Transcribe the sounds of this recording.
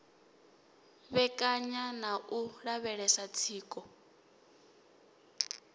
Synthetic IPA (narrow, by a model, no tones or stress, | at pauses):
βɛkʼaɲanaʔuɺaβɛɺɛsat͡sʰiːkʼɔ